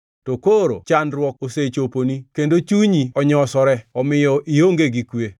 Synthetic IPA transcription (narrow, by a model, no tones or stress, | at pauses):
tokoɾot͡ʃanɾwɔk̚oset͡ʃoponikendot͡ʃuɲiɔɲɔsɔɾɛɔmɪjɔʔioŋɡeɡikwe